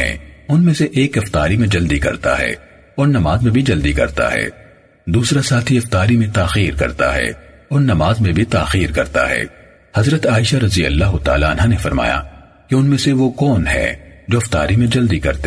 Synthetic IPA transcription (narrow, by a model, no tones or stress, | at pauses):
ɛ̰̃ːʊnmẽseʔeːkɐft̪aːɾimẽd͡ʒɐld̪ikɐ̰ɾt̪a̰ɦɛ̰ː | ɔːɾnɐmaːzmẽbʱid͡ʒɐld̪ikɐ̰ɾt̪a̰ɦɛ̰ː | d̪uːsɾasaːt̪ʰiɐft̪aːɾimẽt̪aːxiːɾkɐ̰ɾt̪a̰ɦɛ̰ | ɔːɾnɐmaːzmẽbʱit̪aːxiːɾkɐɾt̪a̰ɦɛ̰ː | hɐzɾət̪aːɪʃaɾɐzijɐ̰lːaːɦʊt̪a̰ːlaːnɦanefɐɾma̰ːja̰ | keʊnmẽseʋokɔːnɦɛ̰ːd͡ʒoːɐft̪a̰ːɾimẽd͡ʒɐld̪ikɐ̰ɾt̪e